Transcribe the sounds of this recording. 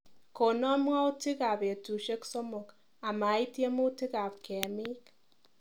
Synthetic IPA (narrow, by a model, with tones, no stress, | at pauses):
ko˨nɔ˦mwa˦ʊ˦tɪ˦ka˨pe˨tu˨ʃe˦kso˦mʊ˨k | a˨ma˨˦i˦tje˦mu˦tɪ˦ka˨p̚kɛ˨mɪ˦k